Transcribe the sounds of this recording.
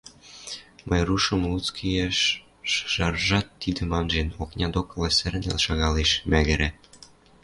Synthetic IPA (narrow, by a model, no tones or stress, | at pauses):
mʔəjruʃɤ̆mlut͡skʰijeʃː | ʒ̥ɑrʒɑt̪ːid̪ɘ̆mɑnʒenoknʲɑd̪okɤ̆lɑsɘ̆ɾɘ̆nḛlʃɑɣɑleʃmæɣɘ̆ɾæ